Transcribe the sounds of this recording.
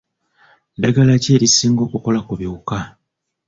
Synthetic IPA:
daɡalace̞ːɾisiːŋɡo̞ːkuko̞lakuβiuka

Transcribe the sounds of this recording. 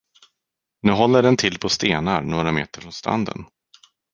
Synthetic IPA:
nʉ̟ːɦɔlːəɖɛnt̪ʰɪlːpʰɔst̪eːnaɾnoːɾamḛːt̪əɾfɾɔnst̪ɾa̰nd̪ə̰n

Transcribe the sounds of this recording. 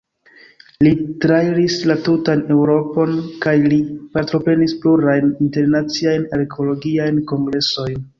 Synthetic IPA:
litɾaiɾislatutane̞wɾo̞po̞nkajlipaɾtɾo̞pɾe̞nispluɾajninte̞ɾnat͡siajnaɾekʰo̞lo̞ɡiajnko̞ŋɡɾe̞so̞jn

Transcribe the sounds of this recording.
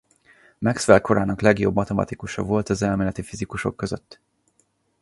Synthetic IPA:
mɛksʋɛlko̞ɾaːnɒklɛɡjo̞bmɒt̪ɛmɒ̰t̪ikuʃɒ̰vo̞lt̪ɒzɛlmeːlɛt̪ifizikuʃo̞̰kːø̞zø̰t̪ː

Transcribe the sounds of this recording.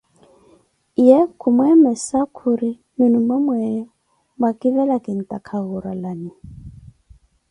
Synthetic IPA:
jɛkʰumwɛmɛsakʰuɾi | munumamwɛɛ | bakʼiβɛlakɪn̩tʼakʰaɣuɾalani

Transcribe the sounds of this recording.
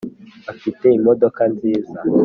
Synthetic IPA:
afite̞imodo̞kanziːza

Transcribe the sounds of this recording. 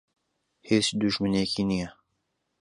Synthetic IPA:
heːsd̪uʒmɨnekiːnijɛ

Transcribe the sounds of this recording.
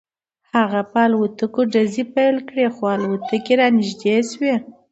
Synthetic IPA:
haɣapɑlwut̪əkoɖazipajlkɽexwalwut̪əkeɾɑnɪʒd̪eswe

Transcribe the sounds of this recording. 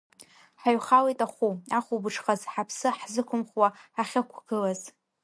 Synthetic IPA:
ħaɥχalejtʼaχuaχubɨʈ͡ʂʰχazħapʰsɨħzɨkʷʰʊmχwaaχʲakʷʰɡ̥ɨlaz

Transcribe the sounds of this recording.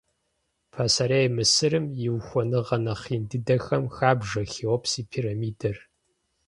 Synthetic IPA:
pʰasaɾejmɨsɨɾɨmjɪwxʷɔnɨʁɐnɐχiːndɨdɐxɐmxaːbʐɐxiwɔpʰsiːpʰiːrɐmiːdɐr

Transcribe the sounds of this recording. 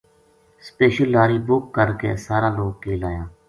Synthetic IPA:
speːʃəlːaːɾiːbʊkːəɾkḛːsaːɾãːloːɡ̚keːlaːjãː

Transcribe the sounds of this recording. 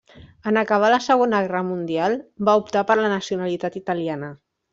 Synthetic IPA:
ənəkəβ̞aləsəɣ̞onəɣɛrəmund̪ialˠbaupt̪apəɾlənəsiunalit̪at̪it̪əlianə

